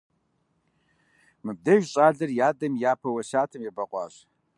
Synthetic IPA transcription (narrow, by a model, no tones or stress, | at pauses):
mɨb̚dɐʒɕʼaːɮɐrjaːdɐmjaːpʰɐwɐɕaːtʰɨmjɛbɐqʷʼɑ̰ːɕ